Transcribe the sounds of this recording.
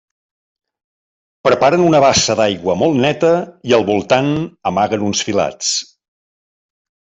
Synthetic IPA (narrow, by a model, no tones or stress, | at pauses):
pɾəpaɾənunəβ̞asəðajɣwəmɔlˠt̪nɛt̪əiəlˠβulˠt̪anəmaɣənunsfila̰t͡s